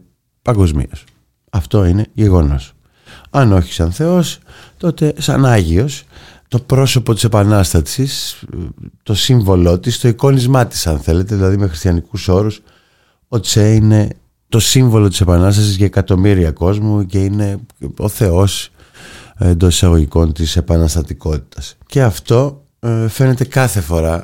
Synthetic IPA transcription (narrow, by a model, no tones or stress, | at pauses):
pɐŋɡo̞zmḭos | ɐft̪o̞ine̞ʝe̞ɣo̞no̞̰s | ɐno̞çi̥sɐnθe̞o̞st̪o̞t̪e̞sɐ̰nɐʝio̞st̪o̞pɾo̞so̞po̞t̪i̥se̞pɐnɐst̪ɐsis | t̪o̞siɱvo̞lo̞t̪ist̪o̞iko̞nizmɐt̪i̥sɐnθe̞le̞t̪eðilɐðime̞xɾist̪çɐnikuso̞ɾus | o̞t͡seine̞ | t̪o̞siɱvo̞lo̞t̪i̥se̞pɐnɐs̬t̪ɐs̬izʝɐekɐt̪o̞miɾiɐko̞zmuce̞ine̞o̞̰θe̞o̞s | end̪o̞sisɐɣo̞ʝiko̞nt̪ise̞pɐnɐst̪ɐt̪iko̞t̪i̥t̪ɐsce̞ɐft̪o̞ | fe̞ne̞t̪e̞kɐθe̞fo̞ɾɐ